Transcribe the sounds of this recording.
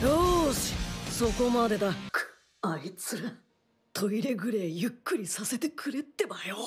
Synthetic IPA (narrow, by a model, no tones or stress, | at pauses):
joɕi̥so̞ko̞mad̪e̞d̪ak | ait͡sɨɾa | t̪ʰo̞iɾe̞ɡɯ̟ɾeːjɯ̟kːɯ̟ɾʲisase̞t̪e̞kʰɯ̟ɾe̞t̪ːe̞bajo